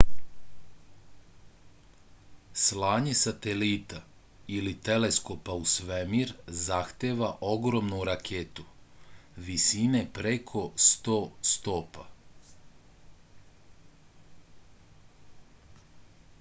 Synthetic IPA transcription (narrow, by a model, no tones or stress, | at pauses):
slaːɲe̞sat̪elit̪a | ilit̪e̞le̞sko̞pausʋemiɾzaxt̪eʋaʔo̞ɡɾo̞mnuɾakʰet̪u | ʋisine̞pɾekʰo̞st̪oːst̪o̞ːpa